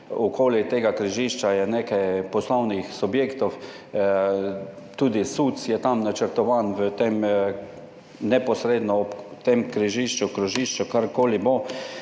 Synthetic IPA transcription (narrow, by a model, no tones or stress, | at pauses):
ukʰoːlit̪eːɡakɾiʒiʃt͡ʃajɛneːkajpɔslɔwnixsubjeːkt̪ɔw | t̪uːd̪isuːt̪sjɛt̪amnat͡ʃəɾt̪ɔʋaːnʋət̪em | nɛpɔsɾeːd̪nɔːpt̪emkɾiʒiʃt͡ʃukɾuʒiʃt͡ʃukaɾkoːlibo